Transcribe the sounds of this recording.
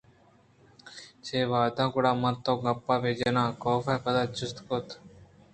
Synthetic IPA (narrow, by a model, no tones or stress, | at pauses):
t͡ʃʰeːʋaːd̪ʱãːɡʊɽaːmət̪õːɡəpːaːʋeːd͡ʒeːnãːkoːfeːpəd̪aːt͡ʃʰʊst̪kot̪